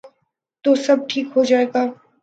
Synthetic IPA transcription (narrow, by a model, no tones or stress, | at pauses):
t̪osɐb̚ʈʰiːkɦod͡ʒaːeːɡaː